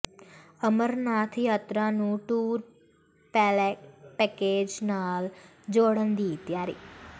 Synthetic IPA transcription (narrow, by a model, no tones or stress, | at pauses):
əməɾnat̪ʰijət̪ɾanũʈuːɾ | pɛlpɛked͡ʒnal | d͡ʒoɽənd̪it̪jaɾḭ